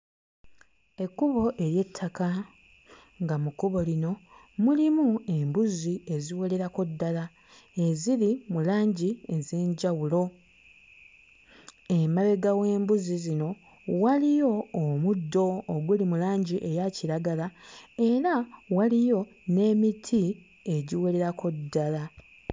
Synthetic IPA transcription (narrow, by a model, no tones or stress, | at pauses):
e̞kːuβo̞ʔe̞ɾje̞tʰːaka | ŋɡamukuβo̞lino̞ | mulimue̞mbuzie̞ziwole̞ɾakodːala | e̞zilimulaːɲɟie̞ze̞ːɲɟawulo̞ | e̞maβe̞ɡawe̞ːmbuzizino̞ | walijo̞ːmudːo̞ːɡulimulaːɲɟiʔe̞jaciɾaɡalae̞ɾawalijo̞ | ne̞ːmitʰi | e̞ɟiwele̞ɾakodːala